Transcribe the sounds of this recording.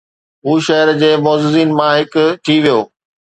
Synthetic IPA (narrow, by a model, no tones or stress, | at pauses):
ɦuːʃɐɦɪəɾd͡ʑeːmɔːzɪziːnmãɦɪkʊ̆ʈʰiʋijoː